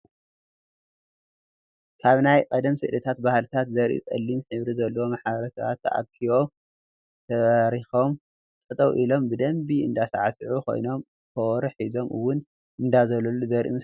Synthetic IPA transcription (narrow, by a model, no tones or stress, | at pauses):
kʰaβnajkʼɐd̪ɐmsɨʔlɨt̪ʰat̪bahlɨt̪ʰat̪zɐɾʔṵkʼɐ̰lːimħɨβɾizɐlːɐwomaħaβɐɾɐsɐβa̰t̪ʰːɐʔa̰kʰːiβo̞ | t̪ʰɐaɾixo̞m | t͡sʼɨt̪ʼɐwʔilo̞mbɨd̪ɐmbiɨ̰nd̪asaʕasɨʕukʰo̞̰jno̞m | kʰowɾɨħizo̞mʔɨwːʊn | ʔɨnd̪azɐlɐlːuzɐɾʔṵm